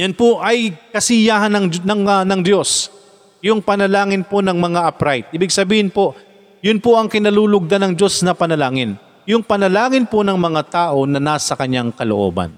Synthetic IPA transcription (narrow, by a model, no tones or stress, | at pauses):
jɐnpoʔɐjkɐsɪjaːɦɐnɐŋnɐanɐŋd̪o̞s | jʊŋpɐnɐlaːŋɪnponɐŋmɐŋaʔɐpɾajt̪̚ʔiːbɪɡ̚sɐbiːhɪnpo̞ | jʊnpoʔɐŋkɪnɐluːlʊɡ̚d̪anɐŋd͡ʒo̞snɐpɐnɐlaːŋɪn | jʊŋpɐnɐlaːŋɪnponɐŋmɐŋat̪aːʔo̞nɐnaːsɐkɐɲːaŋkɐlo̰ʔo̞̰ːbɐ̰n